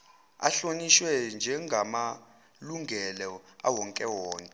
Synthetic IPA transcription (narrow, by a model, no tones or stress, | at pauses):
a̰ɬoniʃwɛnd͡ʒʱɛŋɡʱama | luŋɡʱɛlɔa̰wɔŋkʼɛwɔːnʼɛ